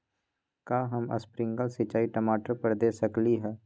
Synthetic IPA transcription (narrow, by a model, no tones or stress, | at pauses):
kaːɦəmə̰spɾɪ̃ŋɡəlsɪt͡ʃaːiʈɐmaːʈəɾpəɾd̪eːsɐkliɦɛː